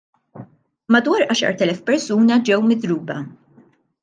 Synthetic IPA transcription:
mɐd̪wɐːɾʔɐːʃɐ̰ɾt̪ɛlɛfpɛɾsuːnɐd͡ʒɛwmɪd̪ɾuːbɐ

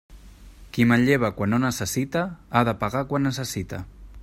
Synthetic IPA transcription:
kiməʎeβəkwanːonəsəsit̪əaðəpaɣakwanːəsəsit̪ə̰

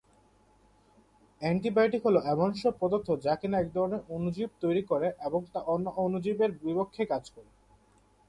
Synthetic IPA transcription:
ɛɳʈibajʈikɦoloɛmoŋʃopɔd̪ot̪ʰːod͡ʑakenaɛk̚d̪ʱɔɾoneɾonud͡ʑib̚t̪ojɾikoɾeʔeboŋt̪aʔonːoʔonud͡ʑibeɾbipokʰːekad͡ʑkɔɾe

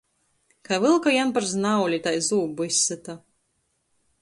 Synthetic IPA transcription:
kavɨlˠkajanpaɾznawlʲit̪ajzuːbuisːɨt̪a

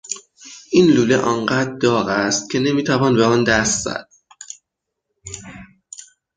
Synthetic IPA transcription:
ʔiːnluːleʔɒnɢæd̪̚d̪ɒːɣæst̪̚cʲʰe̞ne̞miːt̪ʰævɒːnbeɒːnd̪æst̪z̥æ̰d̪̥̚

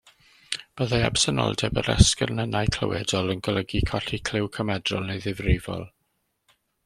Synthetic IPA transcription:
b̥əðaja̰b̥sənɔ̰lˠdɛbəɾɛ̰skɛrnənajkʰl̥ə̰wɛdɔlˠənɡɔləɡikʰɔɬikʰl̥ɪwkʰəmɛdrɔlˠnejðɪvrɪvɔ̰lˠ

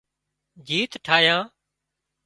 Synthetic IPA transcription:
d͡ʒiːt̪ʈʰaːjãː

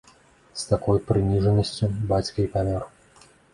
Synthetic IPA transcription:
st̪akɔjpɾɨnʲiʐɐnɐsʲt͡sʲubat͡sʲkɐipamʲɔr

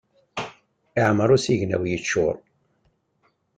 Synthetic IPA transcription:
ɪʕməɾˤusiʝnæ̰wjət͡ʃːʊ̰ɾˤ

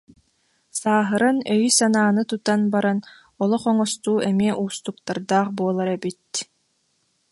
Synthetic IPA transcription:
saːɦɯɾanœjisanaːnɯt̪ut̪anbaɾan | ɔlˠɔχɔŋɔst̪uːɛmiɛʔuːst̪uk̚t̪aɾd̪aːχbuɔlˠaɾɛbit̪̚

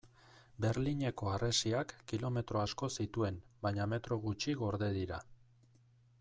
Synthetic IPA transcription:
be̞ɾliɲe̞ko̞aresiakːilo̞me̞t̪ɾo̞asko̞sit̪ue̞mbaɲame̞t̪ɾo̞ɣ̞ut͡ʃiɣo̞ɾðe̞ðiɾa̰

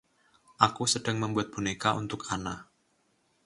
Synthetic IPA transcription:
ʔakusədaŋməmbuat̪̚b̥unekaṵnt̪ʊkana

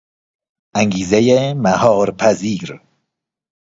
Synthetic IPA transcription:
aŋɡiːzejemahɒːɾpʰaziːɾ

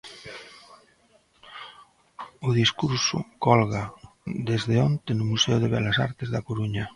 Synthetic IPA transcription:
ʊðiskuɾsʊ̰kɔlɣa | d̪ezðeont̪enʊmuseʊð̞eβɛlasa̰ɾt̪ezðɐkoɾuɲɐ

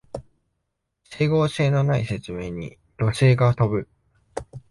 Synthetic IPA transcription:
se̞ːɡo̞ːse̞ːno̞naise̞t͡sɨme̞ːɲ̟ḭ | do̞se̞ːɡat̪o̞bɯ̟

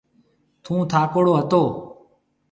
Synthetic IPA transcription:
t̪ʰũːt̪ʰaːkoːɽoːɦət̪oː

